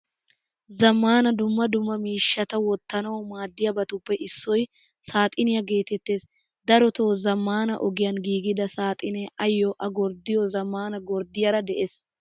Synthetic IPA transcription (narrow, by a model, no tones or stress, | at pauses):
zɐmːaːnɐd̪ʊmːɐd̪ʊmːɐmiːʃːɐt̪ɐwɔt̪ːɐnɐwɔmaːd̪ːɪjɐbɐt̪ʊpːɛʔɪsːɔj | saːt̪ʼɪnɪjɐɡe̞ːt̪ɛt̪ːe̞ːs | d̪ɐɾɔt̪oːzɐmːaːnɐ̰ʔɔɡɪjɐnɡiːɡɪd̪ɐsaːt̪ʼɪnɛʔɐjːɔʔɐɡɔɾd̪ɪjɔzɐmːaːnɐɡɔɾd̪ɪjɐɾɐd̪ɛʔeːs